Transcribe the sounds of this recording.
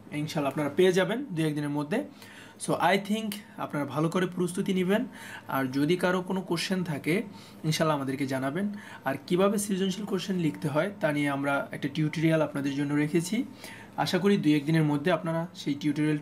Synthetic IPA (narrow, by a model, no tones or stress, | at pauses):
iŋʃalːaapnaɾapeed͡ʑabend̪ujɛk̚d̪ineɾmod̪ʱːe | soʔajt̪ʰiŋka̰pnaɾabʱalokoɾepɾost̪ʰut̪inibena̰ɾd͡ʑod̪ikaɾokonokoɾʃent̪ʰake | inʃalːaamad̪eɾked͡ʑanaben | aɾkibʱabesid͡ʑonʃilkoɾʃenlikʰt̪eɦɔet̪anieamɾaɛ̰k̚ʈaʈiuʈiɾialapnad̪eɾd͡ʑonːoɾekʰet͡ɕʰi | a̰ʃakoɾid̪ujɛk̚d̪ineɾmod̪ʱːeapnaɾaʃejʈiuʈiɾial